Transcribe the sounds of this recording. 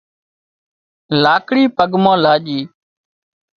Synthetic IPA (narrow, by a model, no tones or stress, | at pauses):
laːkɽiːpəɠmãːlaːʄiː